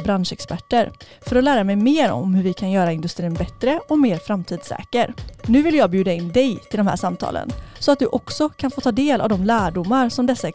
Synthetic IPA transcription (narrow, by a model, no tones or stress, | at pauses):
bɾanʂɛkspæʈːəɾ | fœɾɔlæːɾamɛjmeːɾɔ̰mhɵɾvɪkʰanjœːɾaɪnd̪ɵst̪ɾiːnbɛt̪ɾəɔmeːɾfɾamt̪ʰiːd̪sɛ̰ːkəɾnʉ̟ːvɪljɑːɡbjʉ̟ːd̪aɪnːd̪ɛjt̪ʰɪld̪ɔmhæ̰ːʂamt̪ʰɑ̰ːlə̰nsɔat̪̚d̪ɵʔɔksɔkʰanfoːt̪ʰɑːd̪eːlʔa̰vd̪ɔmlæːɖʊmːaɾsɔmd̪ɛsːaɛ